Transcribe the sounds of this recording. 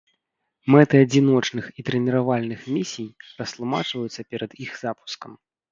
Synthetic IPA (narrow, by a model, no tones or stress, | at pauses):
mɛt̪ɨad͡zʲinɔt͡ʂn̪ɨxit̪ɾɛnʲiɾavalʲnɨxmʲisʲijrɐst̪lˠuma̰t͡ʂvɐjut̪sːɐpʲɛɾɐd̪ixz̥apu̥skɐm